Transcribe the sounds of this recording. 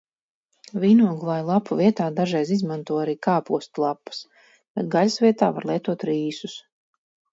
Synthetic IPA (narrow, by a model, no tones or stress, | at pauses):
viːnuɔɡuvˠajlˠapuvʲiɛt̪aːd̪aʒɛjzizmãnt̪uɔaɾiːkaːpuɔst̪lˠapːḁs | bad̪ɡalʲsviɛt̪a̰ːva̰ɾlˠiɛt̪uɔt̪ɾiːsus